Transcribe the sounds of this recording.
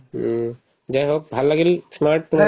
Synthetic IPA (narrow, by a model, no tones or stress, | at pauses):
d͡ʒajɦok̚bʱalːaɡelismaɾʈ̚t̪ʊma